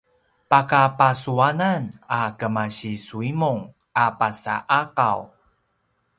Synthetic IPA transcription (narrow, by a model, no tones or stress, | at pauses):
pakapasuananakəmaɕisuimuŋ | apasa̰ʔaqa̰w